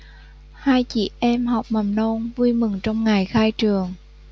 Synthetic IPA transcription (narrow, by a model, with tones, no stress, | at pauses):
haː˧jt͡ɕḭ˧˩ʔɛ˧mɦa˨˩wk͡p̚ma˨˩mno˧nvu˧jmɨ˨˩ŋt͡ɕɔ˧wŋ͡mŋa˨˩jxaː˧jt͡ɕɨ˨˩əŋ